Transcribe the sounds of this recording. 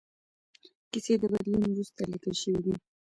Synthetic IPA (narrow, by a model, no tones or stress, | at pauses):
kised̪əbad̪linwɾust̪alikəlʃəwid̪i